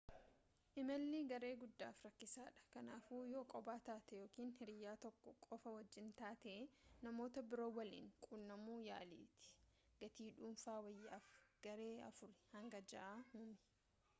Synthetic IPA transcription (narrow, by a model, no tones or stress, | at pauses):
ʔɪmɐlːɪɡɐɾe̞ːɡʊd̪ːa̰ːfɾɐkːɪsaːᶑɐ̥kɐnaːfuːjoːkʼɔbaːt̪aːt̪ɛjo̞ːkiːnhɪɾɪjːaːt̪ɔkːɔkʼɔfɐwɐd͡ʒːɪnt̪aːt̪ɛːnɐmo̞ːt̪ɐbɪɾo̞ːwɐlḭːŋkʼuːlnɐmuːja̰ːlḭːt̪ɪ̥ | ɡ̥ɐt̪iːᶑuːnfaːwɐjːaːfɡ̥ɐɾe̞ːɐ̰fʊɾɛhɐŋɡɐd͡ʒɐ̰ʔaːhʊmɪ̥